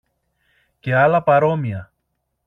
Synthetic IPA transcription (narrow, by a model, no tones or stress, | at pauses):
ce̞ɐlɐpɐɾo̞miɐ